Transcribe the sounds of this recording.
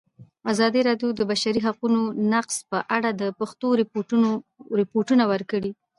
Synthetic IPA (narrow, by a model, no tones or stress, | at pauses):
azɑd̪iɾɑɖjod̪əbaʃaɾiɦaqunonaqspəʔaɽad̪əpaxt̪oɾ | ɾɪpoʈunawəɾkəɽi